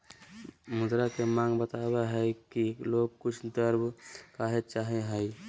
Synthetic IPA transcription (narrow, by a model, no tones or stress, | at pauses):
mʊd̪ɾakemãŋɡbət̪abeɦəkiloɡ̚kʊt͡ʃʰd̪əɾbkaɦet͡ʃaɦɛɦəj